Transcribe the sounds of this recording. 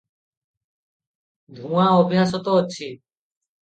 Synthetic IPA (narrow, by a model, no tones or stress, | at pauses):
d̪ʱũaɔbʱiɦasɔt̪ɔːt͡ɕʰi